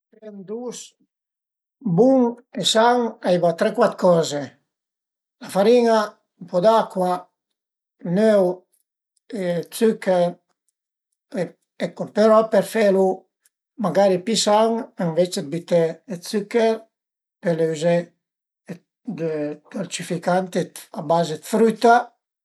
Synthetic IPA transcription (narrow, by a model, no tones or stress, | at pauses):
pend̪us | buŋesaŋaibat̪ɾɛkwat̪kɔːze | lafaɾina | mpɔd̪akwa | nøw | et͡sykɛɾ | e | ekopeɾɔpeɾfelu | maɡaɾipisaŋeɱvet͡ʃed̪̚bit̪eːsykɛɾ | peleyze | d̪d̪̥oɾt͡ʃifikant̪eabazed̪fɾyt̪a